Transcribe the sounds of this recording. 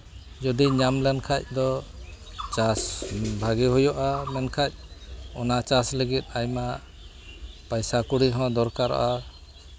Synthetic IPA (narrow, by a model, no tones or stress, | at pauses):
d͡ʒɔd̪iɲamlɛnkʰac̚d̪ɔ | t͡ʃasbʱaɡiɦujɔʔamɛnkʰac̚ɔnat͡ʃasləɡit̪̚ajma | pajsakuɽiɦɔ̃d̪ɔɾkaɾɔ̰ʔa